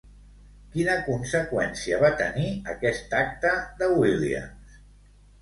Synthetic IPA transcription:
kinəkunsəkwɛnsiəβat̪əniəkɛst̪ak̚t̪əd̪əwilḭə̰ms

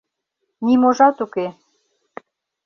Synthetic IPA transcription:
nimoʒɑt̪uke

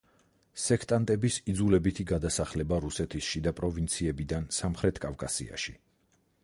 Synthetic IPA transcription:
sɛkʰt̪ʼant̪ʼɛbisid̪zulɛbit̪ʰiɡad̪asaχlɛbaɾusɛt̪ʰisʃid̪apʼɾɔvint̪sʰiɛbid̪ansamχɾɛt̪ʰkʼafkʼasḭa̰ʃi

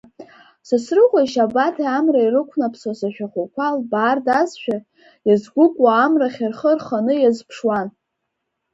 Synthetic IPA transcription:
sasrɨqʷʼaʃabatʰaamrairɨkʷʰnapʰsasaʃᶣaχʷakʷʰalbaːrdazʃᶣa | jazɡʷʊkʷʼwaːmraχʲarχərχanɨjazpʰʂwan

